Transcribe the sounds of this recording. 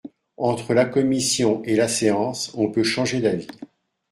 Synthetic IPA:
ɑ̃t̪χəlakɔmisjɔ̃ʔelaseɑ̃sɔ̃pøʃɑ̃ʒed̪avi

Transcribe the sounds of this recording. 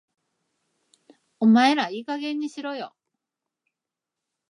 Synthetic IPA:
omae̞ɾaiːkaɡẽ̞ɲ̟ːiɕiɾo̞jo̞̰

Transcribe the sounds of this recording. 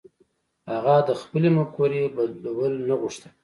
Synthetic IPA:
haɣad̪əxpəlemakoɾebalwəlnaɣuʂt̪ḁ

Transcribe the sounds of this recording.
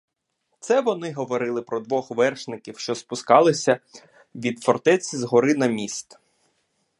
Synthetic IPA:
t̪sɛʋɔnɪɦɔʋɔɾɪlˠɪpɾɔd̪ʋɔxʋɛrʃnɪkʲiwʃt͡ʃɔspʊskɑlˠɪsʲɐ | ʋʲid̪fɔrt̪ɛt͡sʲizɦɔɾɪnɐmʲist̪

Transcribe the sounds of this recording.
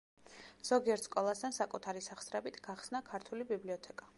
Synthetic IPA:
z̥ɔɡiɛɾt̪skʼɔlˠast̪ʰansakʼut̪ʰaɾisaχsɾɛbit̪ʰɡ̥aχsnakʰaɾt̪ʰulibibliɔt̪ʰɛkʼa

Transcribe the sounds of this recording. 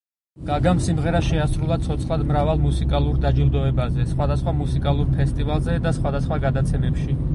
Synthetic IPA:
ɡ̥aɡamsimʁɛɾaʃɛasɾulˠat̪sʰɔt̪sʰχlad̪mɾavalˠmusikʼalˠuɾd̪ad͡ʒilˠd̪ɔɛbazɛsχwad̪asχwamusikʼalˠuɾpʰɛst̪ʼivalˠzɛd̪asχwad̪asχwaɡad̪at̪sʰɛmɛpʃi

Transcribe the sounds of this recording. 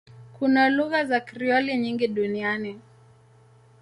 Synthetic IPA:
kunaluɣazakɾiɔliɲiŋɡiɗuniani

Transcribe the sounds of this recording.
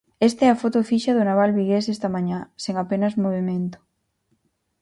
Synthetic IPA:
est̪ɛafot̪ofiʃaðonaβ̞alβiɣesest̪ɐmãɲãseŋapenɐzmoβemẽnt̪o̥

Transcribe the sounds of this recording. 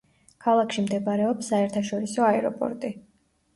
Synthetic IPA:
kʰalˠakʰʃimd̪ɛbaɾɛɔpsːaɛɾt̪ʰaʃɔɾisɔaɛɾɔ̰pʼɔ̰ɾt̪ʼi

